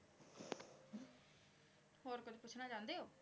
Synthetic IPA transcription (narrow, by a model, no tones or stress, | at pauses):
hoːɾkʊt͡ʃpʊt͡ʃʰnaːd͡ʒãːnd̪eːoː